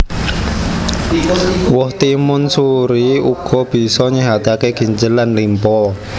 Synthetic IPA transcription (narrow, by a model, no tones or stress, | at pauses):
wʊht̪imʊnsuɾiuɡ̥ɔ̤b̥i̤sɔɲəɦat̪akeɡ̥i̤ɲd͡ʒəlanlimpɔ